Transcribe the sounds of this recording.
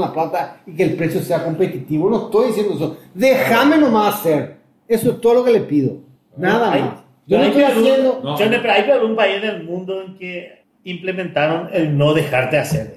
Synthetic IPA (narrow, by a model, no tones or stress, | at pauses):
laplat̪aikeːlpɾesjo̞se̞ako̞mpet̪it̪iβonoest̪o̞jðisje̞nd̪oesoðexamenomasaseɾ | esoest̪oðolokelepiðo̰ | naðamas | d͡ʒonot̪ojajend̪od͡ʒonepeɾaipaβumpaizðelmũnd̪oeŋke | implemẽnt̪aɾonelnoðexaɾt̪easeɾ